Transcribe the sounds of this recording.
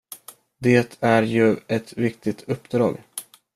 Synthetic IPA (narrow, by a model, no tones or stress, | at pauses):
d̪eːt̪ʰæɾjɵɛt̪vɪk̚t̪ɪt̪ʰɵpːd̪ɾɑ̰ːɡ